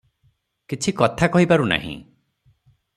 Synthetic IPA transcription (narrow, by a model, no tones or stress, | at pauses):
kit͡ʃʰikɔt̪ʰakɔɦipaɾuna̰ɦḭ̃